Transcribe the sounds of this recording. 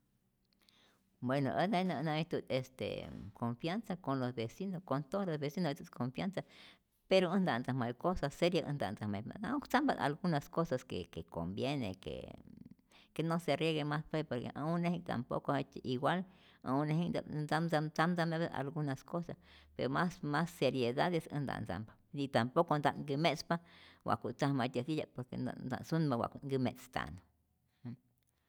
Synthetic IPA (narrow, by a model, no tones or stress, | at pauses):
bweno̰ʔḛajnanat̪ut̪est̪ḛkʰoɱfjansakonlosbesinokont̪oolosbesinot̪ut̪̚komfjansa | peɾoɨnd̪and͡zahmajkosaseɾjaʔɨ̰nd̪a̰ʔnd͡zahmaja̰aukt͡samba̰ʔa̰lɡunaskosaskḛkeko̰mbjenḛkḛ | kenoserjeɣemaspepoɾkḛʔaunːehiŋt̪a̰mpo̰kohet͡ʃiɡwal | a̰unehid̪a̰nt͡samsat͡samt͡sameβea̰lɡunaskosas | peɾomasmasːeɾjeðaðesɨ̰nd̪a̰ʔnt͡sa̰mba | it̪ampokond̪aʔŋɡɨmespawa̰ʔkuʔt͡sahmat̪ʲasijapoɾkḛnd̪a̰nd̪a̰sunbawa̰ʔkuʔŋɡɨmet͡st̪a̰no